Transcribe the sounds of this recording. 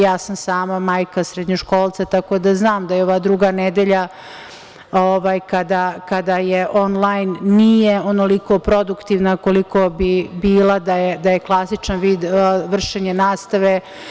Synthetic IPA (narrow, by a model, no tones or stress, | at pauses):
jaːsamsaːmamaːjkasɾed̪ɲoʃko̞ːlˠt̪sat̪ako̞d̪aznaːmd̪ajeo̞ʋad̪ɾuɡaned̪eʎa | oʋaːjkad̪akad̪ajeʔo̞nlˠajnːijeonoliko̞pɾo̞d̪ukt̪iʋnako̞liko̞bibiːlad̪ajed̪ajeklˠasit͡ʃanʋiːd̪ʋr̩ʃeɲenaːst̪aʋe